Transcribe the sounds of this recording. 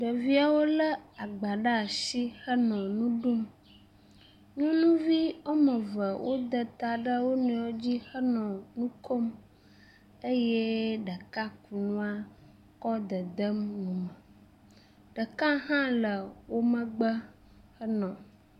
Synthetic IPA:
ɖə˨vi˦a˨wo˦lə˦a˨ɡ͡ba˨ɖa˦˨si˦hə˦nɔ̃˨nũ˦ɖu˦m | ɲũ˦nũ˦vi˦o˦mə̃˨və˨wʔo˦d̪ə˨t̪a˨ɖə˦wo˦nũ˨wo˦d͡ʑi˦hə˦nɔ̃˨nũ˦kʰo˦m | e˦je˦ɖə˨ka˦ku˨nũ˦a˦ | kɔ˦d̪ə˨d̪ə˦mnũ˨mə˨ | ɖə˨kã˦ɦã˦lə˨wo˦mə̃˦ɡ͡bə˦ | hə˦nɔ̃˨

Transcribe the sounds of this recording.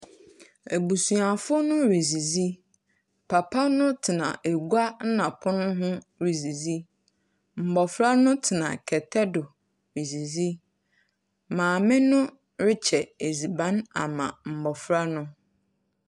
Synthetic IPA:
e˨bu˨su˨a˨fʊ˦nʊ̃˦ɾi˨zi˨zi˦ | pʰa˨pʰa˦nʊ̃˦tʰɪ˨nã̰˨ʔe˨ɡu˦a˦n̩˦nã˨pʰʊ̃˦nʊ̃˦ɦʊ̃˦ | ɾi˨zi˨zi˦ | m̩˨bɔ˨fɾa˦nʊ̃˦tʰɪ˨nã̰˨kʰɛ˨tʰɛ˦dʊ˨ | ɾi˨zi˨zi˦ | mãː˨mɪ̃˦nʊ̃˦ | ɾɪ˦t͡ɕʰɛ˨e˨zi˨bã˨˦na̰˨mã̰˨m̩˨bɔ˨fɾa˦nʊ̃˦

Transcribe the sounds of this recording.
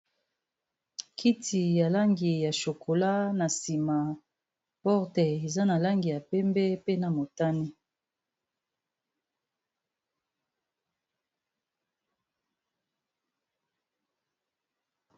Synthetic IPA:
kʰi˦tʰi˨ja˨la˦ŋɡi˨ja˨ʃo˨kʰo˨la˦na˨si˨ma˨ | pɔ˦ʁtɛ˨e˨za˦na˨la˦ŋɡi˨ja˨pɛ˦mbɛ˦pe˦na˨mo˨ta˦ni˦

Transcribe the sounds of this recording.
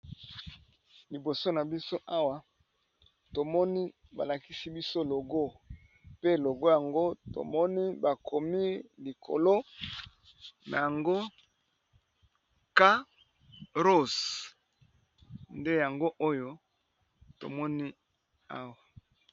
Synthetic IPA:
li˨bo˨so˦na˨bi˦so˦ʔa˦wa˨ | to˨mɔ˦ni˦ | ba̰˨la˨ki˦si˦bi˦so˦lo˨ɡo˦˨ | pe˦lo˨ɡo˦ja˨ŋɡo˦to̰˨mɔ˦ni˦ba˨kʰo˨mi˦li˨kʰo̰˨lo˦ | na̰˨ja˨ŋɡo˦ | ka˦ | ʁo˦˨s | nde˦ja˨ŋɡo˦ʔo˦jo˦ | to̰˨mɔ˦ni˦ | a˦wa˨

